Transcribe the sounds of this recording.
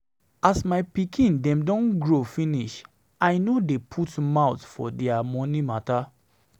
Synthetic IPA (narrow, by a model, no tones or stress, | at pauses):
asmaɪpikʰĩndɛ̃mdɔ̃nɡɹofĩniʃ | aɪnodepʰutmaʊtfɔ̰dɛamɔ̃nimata